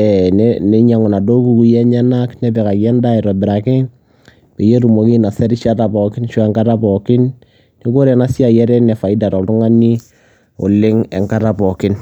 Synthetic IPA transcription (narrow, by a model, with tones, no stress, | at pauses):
ɛ˨nnɛ˦ɲa˨ŋʊ˨na˨do˦ku˦ku˦jɛ˦ɲɛ˦na˦knɛ˦bɛ˨ka˨kɛ˦nda˦ɪ˨ɾɔ˨bɪ˨ɾa˨kɪ˦ | pe˨je˦ɾu˨mo˨ki˦na˨sɛ˦ɾɪ˦ʃa˦ɾa˨bɔ˨kɪ˦nʃɔ˦ɛ˦ŋka˦ɾa˦bɔ˨kɪ˦n | ni˦ko˦ɾɛ˨na˦sja˨jɛ˦ɾɛ˦nɛ˨fa˨ɪ˦da˨ɾɔ˨ltʊ˦ŋa˦ni˦ | ʊ̰˨lɪ˦ŋɛ̰˨ŋka˦ɾa˦bɔ˨kɪ˦n